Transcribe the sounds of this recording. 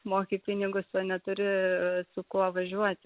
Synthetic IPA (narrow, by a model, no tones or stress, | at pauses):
moːkʲipʲɪnʲɪɡʊsʋɐnʲɛt̪ʊɾʲɪsʊkuɔʋɐʒʲuɔt̪ʲ